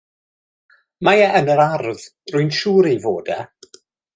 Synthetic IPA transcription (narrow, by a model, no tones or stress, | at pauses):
majɛənəɾarð | rʊɨnʃuːɾivoːdɛ̰